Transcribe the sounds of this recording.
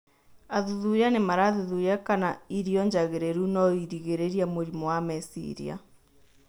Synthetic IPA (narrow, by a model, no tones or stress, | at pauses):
aðuðujanemaɾaːðuðujakanaiɾiɔɲd͡ʒaɣeɾeɾunɔiɾiɣeɾeɾiamoɾimɔwamɛsḭɾḭa̰